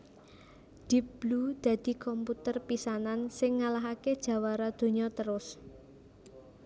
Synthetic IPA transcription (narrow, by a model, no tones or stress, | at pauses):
d̪̥i̤b̥lud̪̥ä̤d̪̥i̤kɔmput̪ərpisanansɪŋːalaɦaked̥ʒ̥a̤waɾad̪̥o̤ɲɔt̪əɾʊs